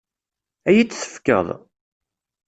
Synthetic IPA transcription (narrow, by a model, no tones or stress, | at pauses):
æjit͡sːθə̥fkə̰ðˤ